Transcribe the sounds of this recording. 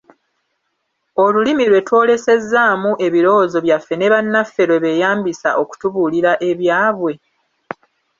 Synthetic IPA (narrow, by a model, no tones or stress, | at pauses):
o̞lulimilwe̞two̞ːle̞se̞zːaːmuʔe̞βiɾo̞wozo̞βjafːe̞ne̞βanːafːe̞ɾwe̞βe̞jaːmbisa̰ʔo̞ku̥tuβuliɾaʔe̞βjaːβwe̞